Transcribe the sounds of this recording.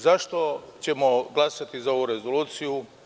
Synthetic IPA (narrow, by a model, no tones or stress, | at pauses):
zaʃt̪o̞t͡ɕe̞mo̞ɡlˠasat̪izao̞ʋuɾe̞zo̞luːt̪siju